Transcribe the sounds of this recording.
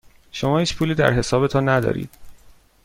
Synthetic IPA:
ʃo̞mɒːhiːt͡ʃpʰuːliːd̪æ̰ɾɦe̞sɒːbe̞t̪ʰɒnːæd̪ɒ̰ːɾḭːd̪̥

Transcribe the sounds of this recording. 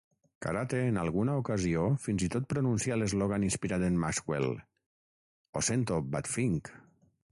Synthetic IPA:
ka̰ɾat̪eːnalɣunaukaziofinzit̪ot̪̚pɾonunsialezloɣaninspiɾad̪enmaskwḛl | o̰sent̪obat̪fiŋk

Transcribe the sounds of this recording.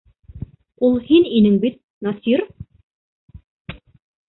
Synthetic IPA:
ulˠhininɘŋbit̪̚ | nɑsiɾ

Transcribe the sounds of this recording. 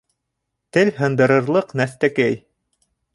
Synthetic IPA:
t̪ɘlɦɤ̆nd̪ɤ̆ɾɤ̆ɾlˠɤqnæst̪ækæj

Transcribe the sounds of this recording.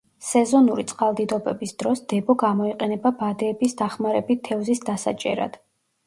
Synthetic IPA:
sɛzɔnuɾit̪sʼqʼalˠd̪id̪ɔbɛbisd̪̥ɾɔsd̪̥ɛbɔɡamɔiqʼɛnɛbabad̪ɛːbisd̪aχmaɾɛbit̪ʰɛvzisd̪asa̰t͡ʃʼɛ̰ɾa̰d̪̥

